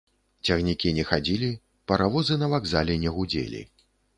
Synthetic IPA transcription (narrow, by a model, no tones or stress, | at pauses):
t͡sʲɐɣnʲikʲinʲɛxad͡zʲilʲi | pɐɾavɔzɨnɐvaɡzalʲɛnʲɛɣud͡zʲḛlʲḭ